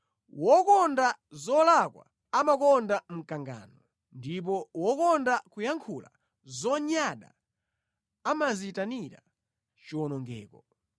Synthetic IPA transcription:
wɔkɔndazɔlakwa̰ | amakɔndam̩kaŋɡa̰ːnɔ | ndip̬ɔwɔkɔndakujaŋkʰula̰ | zɔɲaɗa̰ | amazitaniɾa̰ | t͡ʃiwɔnɔŋɡɛ̰ːkɔ

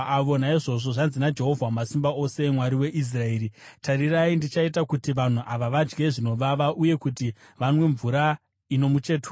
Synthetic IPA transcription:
aʋo̞naiʐo̞ʐo̞ʐanzinad͡ʒe̞ɦo̞vʱwamasimbao̞se̞mwaɾiwe̞ʔis̬rae̞ːɾitaɾiraindit͡ʃait̬akutiʋan̤uʔaʋaʋad͡ʒɡe̞ʐino̞ʋaʋaʔuje̞kuti | ʋanwe̞ɱvuɾa | ino̞mut͡ʃe̞ːtu

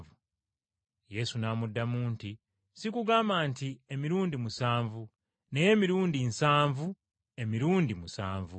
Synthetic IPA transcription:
vu | je̞sunamudːamuːnti | sikuɡaːmbantiemiɾuːndimusaːɱvu | ne̞je̞miɾuːndinsaːɱvu | e̞miɾuːndimusa̰ːɱvu

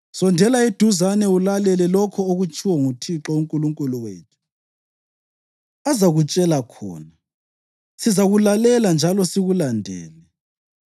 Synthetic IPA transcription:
sɔndʱɛlaed̥ʱuzanɛulalɛlɛlɔkʰɔoɣut͡ʃʰʼiwɔŋutʰiǁɔuŋkʼuluŋkʼuluwḛːtʰu̥ | azaɣut͡ʃʼɛlakʰɔ̰ːna | sizaɣulalɛland͡ʒʱalɔsiɣulandʱɛ̰ːlɛ

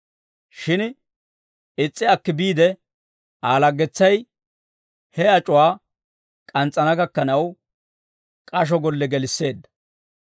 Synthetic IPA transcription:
ʃɪn | ɪt͡sʼːɪɐkːɪbiːd̪ɛ | aːlɐɡːɛt͡sːɐj | hɛɐt͡ʃʼʊwaː | kʼɐnt͡sʼːɐnɐɡɐkːɐnɐw | kʼɐʃ̬ɔɡɔlːɛɡɛlɪsːe̞ːd̪ːɐ̥

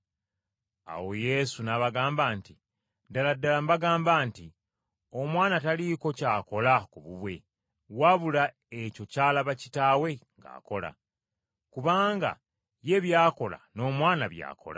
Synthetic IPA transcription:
a̰wo̞je̞sunaβaɡaːmbaːnti | daladːalambaɡaːmbaːnti | o̞mwaːnataliko̞caːko̞lakuβuβwe̞̰ | waβula | eco̞caːlaβacitaːwe̞ŋɡa̰ːko̞la̰ | kuβaːŋɡa̰ | je̞βjaːko̞la̰no̞ːmwaːnaβja̰ːkʰo̞̰la̰

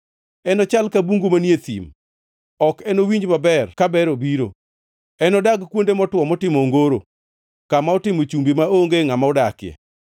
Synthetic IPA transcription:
ɛnɔt͡ʃalkabuŋɡomanjet̪ḭm | ɔkɛnowiɲd͡ʒbabɛrkabɛɾobiɾo | ɛnɔdaɡkwondemɔtwɔmɔtɪmɔŋɡoɾo | kamaɔtɪmot͡ʃumbimaoŋɡeŋamaɔdakɪjɛ̰

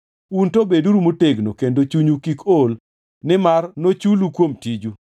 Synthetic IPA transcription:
untobeduɾumoteɡnokendot͡ʃuɲukikol | nɪmarnot͡ʃulukwomtid͡ʒu

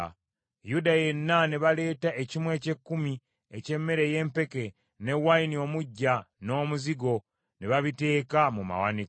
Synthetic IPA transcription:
judajenːaneβale̞ːtaʔecimwe̞ːce̞kːumi | ece̞mːe̞ɾeje̞ːmpe̞ke̞ | ne̞wainio̞ːmuɟːano̞ːmuziɡo̞ | neβaβite̞ːkamuma̰wanik

